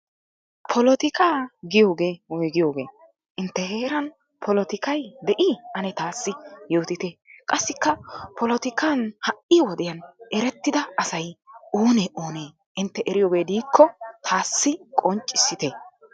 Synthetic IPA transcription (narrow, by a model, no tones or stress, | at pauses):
pʰɔlɔt̪ɪkʰaːɡɪjo̞ːɡe̞ːwɔjɡɪjo̞ːɡe̞̰ː | ʔɪnt̪ːɛhe̞ːɾɐn | pʰɔlɔt̪ɪkɐjd̪ɛʔiːɐnɛt̪aːsːɪjoːt̪ɪt̪eːkʼɐsːɪkːɐpʰɔlɔt̪ɪkaːnhɐʔʔɪwɔd̪ɛjɐnɛɾɛt̪ːɪd̪ɐɐsɐjoːneʔoːneː | ʔɪnt̪ːɛʔɛɾɪjo̞ːɡe̞ːd̪iːkːɔt̪ʰaːsːɪkʼɔnt͡ʃʼːɪsːɪt̪e